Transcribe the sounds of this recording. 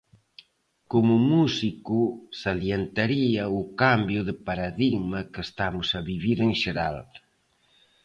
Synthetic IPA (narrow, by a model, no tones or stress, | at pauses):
komʊmusikʊsaljent̪aɾiɐʊkambjʊðɪpaɾaðiɣmɐkest̪amʊsɐβiβiɾeŋʃeɾal